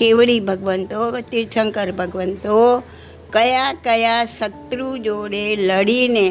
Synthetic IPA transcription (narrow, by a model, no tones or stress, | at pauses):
keʋɽibʱəɡʋənt̪okt̪iɾt͡ʃʰəŋkəɾbʱəɡʋənt̪o | kəjakəjasət̪ɾud͡ʒoɽeləɽine